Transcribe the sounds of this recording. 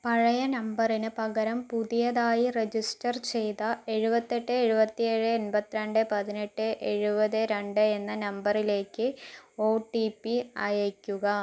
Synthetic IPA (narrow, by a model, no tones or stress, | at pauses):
pɐɻɐjɐnɐmbɐrinɨpɐɣɐɾɐmpuðijɐðaːjire̞d͡ʑisʈɐrt͡ɕe̞jt̪ɐe̞ɻubɐt̪ːeʈːɨeɻubɐt̪ːieɻɨenbɐt̪ːiɾɐɳɖɨpɐðineʈːɨʔeɻubɐðɨɾeɳɖɨenːɐnɐmbɐrile̞ːkːɨoːʈipːiɐjɐkʲːuɣɐ